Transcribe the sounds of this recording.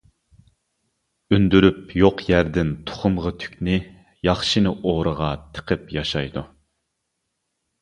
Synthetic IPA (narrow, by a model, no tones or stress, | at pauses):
ynd̪yɾypjoqjæɾd̪ɪnt̪ʰʊ̥χʊmʁət̪ʰy̥kʲnɪ | jɑχʃɨnɨʔoʁɾəʁɑt̪ʰə̥qʰəpjɑʃɑjd̪u